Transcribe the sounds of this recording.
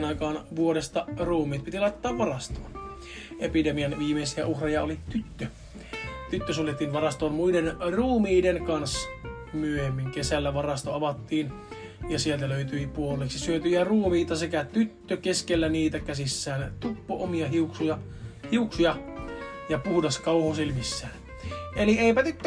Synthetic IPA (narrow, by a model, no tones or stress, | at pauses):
nɑikɑːnʋuoɾest̪ɑruːmiːt̪̚pit̪ilɑit̪ːɑːʋʋɑrɑst̪o̰ːn | epidemiɑnʋiːmesiæʔuhrejɑolit̪yt̪ːø | t̪yt̪ːøsunːet̪ːiːnʋɑrɑst̪oːnmuidenruːmiːdenkɑns | myøhemːiŋkesælːæʋɑrɑst̪oɑʋɑt̪ːiːn | jɑsielt̪æløyt̪yipuolːˑeksisyøt̪yjæruːmiːt̪ɑsekæt̪yt̪ːøkeskelːæniːt̪ækæsisːæːnt̪upːoʔomiɑhiuksujɑ | hiuksujɑ | jɑpuhdɑskɑuhoselmisːæːn | elieipæt̪yt̪ːø